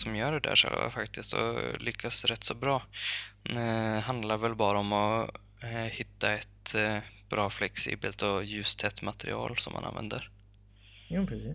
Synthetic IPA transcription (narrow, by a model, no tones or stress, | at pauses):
sɔmjœːɖɛd̪æ̰ʂɛ̰lva̰fakt̪ʰɪst̪ɔ̰lʏkʰːasɾɛt̪ːsɔbɾɑː | ɛɦand̪laɾvɛlbɑːɾəɔmɔ | hɪt̪ːaɛt̪b̥ɾɑːflɛksḭːbəlt̪ɔjʉ̟ːst̪ʰɛt̪mat̪ɛɾɪ̰ɑ̰ːlsɔmʔa̰na̰nvɛ̰nd̪əɾ | jaːpɾɛsiː